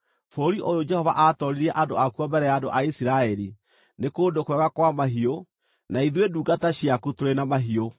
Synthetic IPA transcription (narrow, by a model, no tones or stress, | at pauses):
foɾiʔojod͡ʒɛhɔva̰ʔatɔɾiɾɛʔadoakuɔmbɛɾɛjaːdo̰ʔaisiɾaɛɾi | nekoːndokwɛɣakwamaɦio | naiðweduːɡataɕiakutoɾenamaɦio